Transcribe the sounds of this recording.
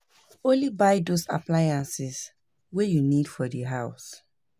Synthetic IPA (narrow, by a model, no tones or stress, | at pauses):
õnlibajdosa̰plajãnsɪs | wejunidfɔdiɦaʊs